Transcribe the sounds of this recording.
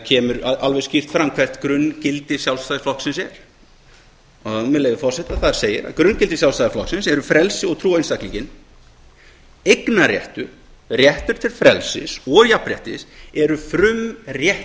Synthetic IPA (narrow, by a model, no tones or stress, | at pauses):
cʰɛːmʏɾaʔalvɛ̥scir̥t̪fɾamːkʰvɛr̥t̪kɾʏncɪlt̪ɪsjawlst̪aːðɪflɔhksɪnsɛɾ̥ | ɔamɛleːvɪfɔrsɛht̪aθaðɪɾ̥seːjɪ̰ɾa̰ðkɾʏncɪlt̪ɪsjaw̪st̪aːðɪflɔ̰ksɪnsɛɾʏfɾɛlsɪɔɣt̪ʰɾuːejnst̪akliɲcɪn | ejknarjɛ̰ht̪ʏɾ | rjɛht̪ʏɾ̥t̪ʰɪlfɾɛ̰lsɪ̰sɔjapɾjɛ̰ht̪ɪ̰sɛɾʏfɾʏmrjɛh